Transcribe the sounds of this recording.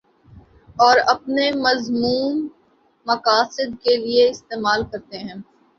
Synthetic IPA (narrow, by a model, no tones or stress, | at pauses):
ɔːɾɐpnemɐzmuːnː | ɐkaːsɪd̪kelieɪst̪eːmaːlkɐɾt̪eɦɛ̃ː